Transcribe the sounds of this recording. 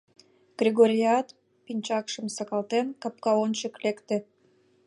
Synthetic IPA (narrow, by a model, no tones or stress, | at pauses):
ɡ̥rʲiɣoɾʲiɑt̪ | pinʲt͡ɕɑkʃəmsɑkɑlt̪enkɑp̚kɑonʲt͡ɕəklekt̪ĕ